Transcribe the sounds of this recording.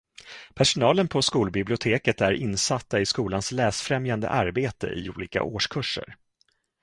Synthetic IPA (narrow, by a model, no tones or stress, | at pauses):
pʰæʂʊnɑːlənpʰɔskuːlbɪblɪʊt̪ʰeːkət̪æɾʔɪnsat̪ːaɪskuːlanslɛːsfɾɛmjand̪ə̰ʔaɾbeːt̪ə̰ʔɪ̰uːliːka̰ʔoːʂkʰɵʂːə̰ɾ